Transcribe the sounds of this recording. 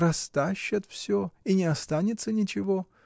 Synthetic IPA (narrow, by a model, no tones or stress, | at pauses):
rɐst̪aɕːət̪fsʲoinʲɪɐst̪anʲɪt̪sənʲɪt͡ɕɪvo̞